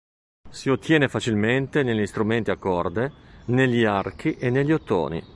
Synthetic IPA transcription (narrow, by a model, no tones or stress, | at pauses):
siot̪ːjɛːnefat͡ʃilment̪eneʎːist̪ɾument̪iakːɔrd̪eneʎːiark̟iʔenːeʎːiot̪ːo̰ːnḭ